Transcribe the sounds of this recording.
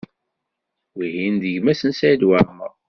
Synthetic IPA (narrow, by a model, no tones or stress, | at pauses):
wihind̪əʝmæsənsæjd̪waɾmə̰ʁ